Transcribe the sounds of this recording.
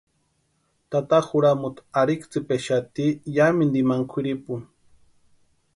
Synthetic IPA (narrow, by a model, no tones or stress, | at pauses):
t̪at̪axuɾamut̪aɾikt͡sipeʃat̪ijamind̪imaŋkʷʰiɾipun